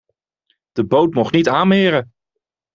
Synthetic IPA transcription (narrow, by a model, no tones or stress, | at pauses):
d̥əbowtmɔχnitaːnmɪːɾə